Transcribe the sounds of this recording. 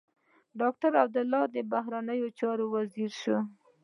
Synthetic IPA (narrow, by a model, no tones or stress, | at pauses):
ɖɑk̚ʈaɾab̚d̪ʊlːɑd̪əbaɦɾanəjot͡ʃɑɾowaziɾʃo